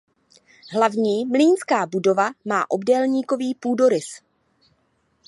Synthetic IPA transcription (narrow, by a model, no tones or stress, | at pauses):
ɦlavɲiːmliːnskaːbudo̞vama̰ːʔo̞bdɛlɲiːko̞viːpuːdo̞ɾɪs